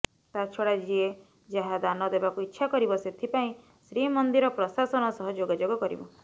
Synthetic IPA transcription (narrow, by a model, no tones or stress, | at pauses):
t̪at͡ʃʰɔɽad͡ʒie | d͡ʒaɦad̪anɔd̪ebakuitːʃʰakɔɾibɔset̪ʰipaĩ | sɾimɔnd̪iɾɔpɾɔsasɔnɔsɔɦɔd͡ʒoɡad͡ʒoɡɔkɔɾḭbɔ